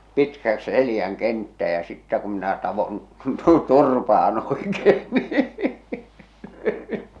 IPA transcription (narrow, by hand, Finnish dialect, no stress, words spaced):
pitkæks̆ selĭjæŋ kentːæː jɑ sitːæ kum minæ tɑʋon turpɑːn oˑekeː niː